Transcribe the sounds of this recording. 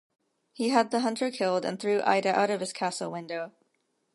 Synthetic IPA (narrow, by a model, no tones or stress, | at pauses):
hiəd̪̚ðəɦʌ̃ntʰə˞kʰɪlˠdɨ̰̃nθɹʉʔa̰ɪɾɨʔa̰ʊɾʌv̥ɨz̥kʰæsl̩ˠwɪ̃ndoʊ